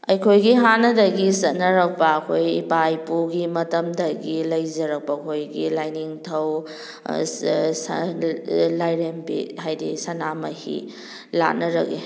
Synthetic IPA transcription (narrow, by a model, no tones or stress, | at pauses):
ɐjkʰojɡiɦanɐdɐɡisɐt̚nɐɾɐk̚pɐɐkʰojipajpuɡimɐtɐmdɐɡilɐjzɐɾɐk̚pɐɐkʰojɡilajniŋtʰɐw | lajɾempihajdḭsɐnamɐhḭ | la̰t̚nɐɾɐki